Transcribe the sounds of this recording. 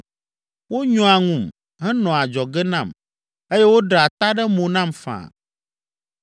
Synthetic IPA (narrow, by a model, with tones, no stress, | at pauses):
wo˦ɲɔ̃˦a˨ŋũ˦˨m | ɦɛ˦nɔ̃˨a˨d͡ʒɔ˨ɡɛ˦nã˦˨m | e˦je˦wo˦ɖɾa˨t̪a˦ɖɛ˦mõ˨nã˦˨mfã̰˨